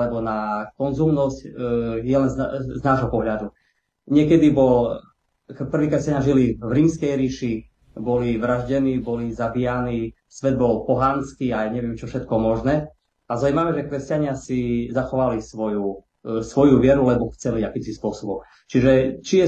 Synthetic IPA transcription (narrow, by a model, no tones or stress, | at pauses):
lɛbɔnakɔnzumnɔscjɛlɛnzznaːʒɦɔpɔɦʎad̪u | ɲɪɛkɛd̪ibɔl | pr̩ʋiːkɾɛscaɲaʒilivɾiːmskɛjɾiːʃi | bɔliʋɾaʒɟɛniːbɔlizabijaniː | sʋɛd̪̚bɔlpɔɦanskiajɲɛʋɪɛmt͡ʃɔfʃɛt̪̚kɔmɔʒnɛː | azaumaʋɛʒɛkɾɛscaɲɪasizaxɔʋalisʋɔju | sʋɔjuʋɪɛɾulɛbɔxt͡sɛliakimsispʊɔsɔbɔm | t͡ʃiʒɛt͡ʃijɛ